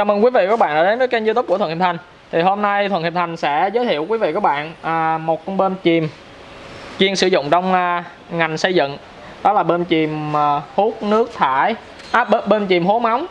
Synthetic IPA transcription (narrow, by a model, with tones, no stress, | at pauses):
t͡ɕaː˨˩mə˨˩ŋkwi˨˦vḭ˧˨kɔ˨˦˥ɓa̰ː˧˨nʔəː˧˩ɗe˨˦nzəː˨˦jkə˧nzɨ˧t̪̬k͡p̚u˧˩ə˨˩˨t̪a˨˩jŋ̟ | t̪ʰi˨˩ɦo˧mna˧jt̪ʰwə˨˩nhi˨˩p̚t̪ʰa˨˩jŋ̟sɛ̰˧˥zəː˨˦t̪ʰḭ˧˨əwkwi˨˦vḭ˧˨ku˨˦˥ɓa̰ː˧˨nʔəː˨˩mo˨˩t̚ɓe˧nt͡ɕi˨˩m | t͡ɕi˧ənsɨ̰˧˩zʊ̰˧˨ŋ͡mt͡ɕɔ˧wŋ͡m | ŋa˨˩jŋ̟sə˧jzɨ̰˧˨ŋ | ɗɔ˨˦laː˨˩ɓe˧nt͡ɕi˨˩m˨˩hu˦˥t̚nɨ˦˥ək̚t̪ʰaː˧˩j | ʔɓe˧nt͡ɕi˨˩mɦo˨˦ma˨˦wŋ͡m